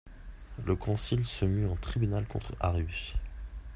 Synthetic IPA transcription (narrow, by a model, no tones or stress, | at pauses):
ləkʰɔ̃silsəmyɑ̃t̪χibynalkʰɔ̃t̪χaʁjys